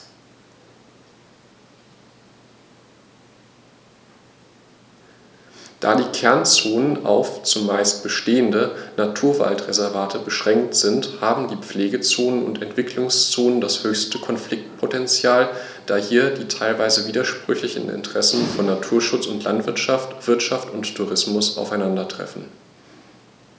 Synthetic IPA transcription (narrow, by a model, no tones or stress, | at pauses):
d̥a̰ːdiːkʰɛɐnt͡soːnəna̰ʊft͡sʊmːaɪst̚b̥əʃteːəndənatʰuːɐva̰ltʁezɛɐvaːtʰəbəʃʁ̥ɛŋk̚tz̥ɪnthaːbm̩diːp͡fleːɡət͡soːnənʊ̰ntɛntv̥ɪkʰlʊŋst͡soːnəndashøːçstəkʰɔnflɪk̚t̚pʰotɛnt͡sjaːl | d̥aːhiːɐdiːtʰaɪlvaɪzəviːdɐʃpʁ̥ʏçlɪçn̩ɪ̰ntəʁ̥ɛsn̩fɔnːatʰuːɐʃʊt͡sʊntʰlʔa̰ntv̥ɪɐtʃaftv̥ɪɐtʃaftʊntʰːuʁ̞ɪsmʊsa̰ʊfaɪnandɐtʁ̥ɛ̰fn̩